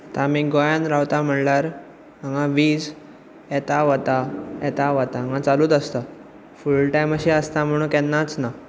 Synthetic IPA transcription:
t̪ãmiːɡɔjãnɾawt̪am̤əɳlaɾ | aŋɡãʋiːd͡z | ɛt̪aʋət̪aɛt̪aʋat̪aãŋãt͡saluːt̪əst̪a | fulʈajməɕiəst̪am̤əɽ̃ũkɛnːat͡sna

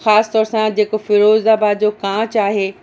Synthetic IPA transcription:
xaːst̪ɔːɾsãd͡ʑeːkofɪɾoːzaːbaːd̪d͡ʑokãːt͡ɕaːɦeː

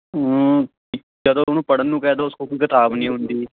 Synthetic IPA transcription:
iː | d͡ʒəd̪õːonũːpəɽənːũːkɛːd̪oːʊskoːkoiːkət̪aːbnĩːɦʊnd̪iː

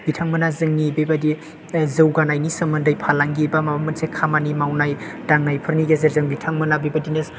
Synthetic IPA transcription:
ɡitʰaŋmɯnazɯŋnibebadi | zɯwɡanajnisɯmɐndajpʰalaŋɡibamaamɯnsekʰamanimawnajd̥aŋnajpʰɯɾniɡezeɾzɯŋbitʰaŋmɯnabibadinɯs

